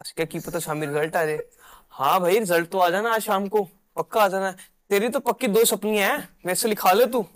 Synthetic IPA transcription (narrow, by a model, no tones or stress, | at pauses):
ɐskjaːkiːpɐt̪aʃaːmiɾɪzəlʈaːd͡ʒaː | hã̰ːbʱaːiɾɪzəlʈ̪̚t̪oaːd͡ʒaːnaːʃaːmko | pɐkːaaːd͡ʒaːna | t̪eːɾit̪opɐkːid̪oːsɐpniɛ̃ʋɛːselɪkʰaːlet̪ũː